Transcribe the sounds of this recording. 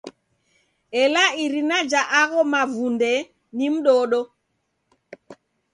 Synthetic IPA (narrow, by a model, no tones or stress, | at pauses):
ɛlaiɾinad͡ʒaʔaɣɔmavundɛ | nim̩ɗɔːɗɔ